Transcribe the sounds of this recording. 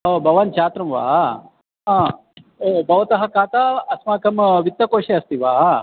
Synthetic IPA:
ɦoːbʱɐʋaːnt͡ʃʰaːt̪ɾɐmʋa̰ː | ɦãː | ebɐʋɐt̪ɐɦɐkaːt̪aɐsmaːkɐmʋit̪ːɐkoːʂeɐst̪iʋaː

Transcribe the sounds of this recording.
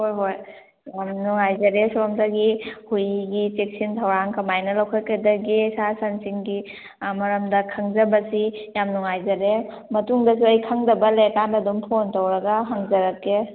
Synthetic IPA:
hojɦoj | jamnuŋajzɐɾesomdɐɡihujɡit͡ʃek̚sintʰawɾaŋkɐmajnɐlɐwkʰɐkɐdɐɡisasansiŋɡi | mɐɾɐmdɐkʰɐŋzɐbɐsijamnuŋajzɐɾe | mɐtuŋdɐs̬iɐjkʰaŋdɐbɐlekandadumpʰontowɾɐɡɐɦaŋzɐɾɐkːe

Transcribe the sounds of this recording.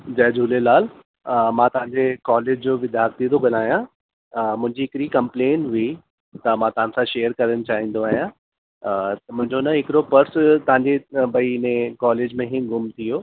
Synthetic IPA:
d͡ʑɛːd͡ʑʱuːlelaːl | mãːt̪ɐʋ̤ãɲd͡ʑekɔːleːd͡ʑd͡ʑoːʋɪd̪ʱjaːɾt̪id̪okɐnaːɦijã | mʊ̃ɪ̃ɲd͡ʑiɦɪkɾikɐ̃mpleːnʋi | t̪ɐmãːt̪ɐʋ̤ãsãʃeːjəɾkɐɾəñɪ̆t͡ɕaːɦĩːn̆d̪oaːɦːijã | mʊ̃ɦɪ̃ɲd͡ʑonɐɦɪkɪɾopɐɾst̪ɐʋ̤ãːɲd͡ʑebɐiɪnẽkɔːleːd͡ʑmẽɦɪɡʊmt̪ʰijoː

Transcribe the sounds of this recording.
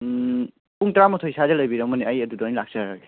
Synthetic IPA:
puŋtɾamɔtʰojsadelɐjbiɾɐmɐniɐjɐdudɔnilak̚seɾaɡe

